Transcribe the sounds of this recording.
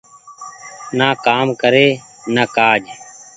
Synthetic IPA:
naːkaːmkəɾeː | naːkaːd͡ʒ

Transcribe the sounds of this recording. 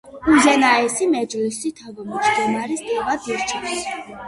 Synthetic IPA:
uzɛnaɛsimɛd͡ʒlisit̪ʰavɔmɔd͡ʒd̪ɔmaɾisd̪ʼɛvad̪iɾt͡ʃʰa

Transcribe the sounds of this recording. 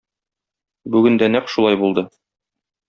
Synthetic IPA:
bʉɡɘ̆nd̪ænæqʃulˠɑjbulˠd̪ɤ

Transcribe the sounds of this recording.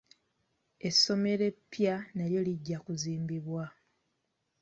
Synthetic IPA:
e̞sːo̞me̞ɾe̞pːjanaljoliɟːakuziːmbiβwa

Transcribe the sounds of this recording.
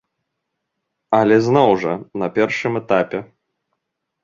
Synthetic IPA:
ɐlʲɛznɔwʐɐnɐpʲɛrʂɨmɛt̪apʲɛ

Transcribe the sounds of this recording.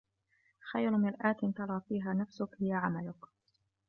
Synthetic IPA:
xajɾmɪlʔaːt̪ɪnt̪ɑɾˤɑːfiːɦaːnafsʊkhɪjaʕamalʊk

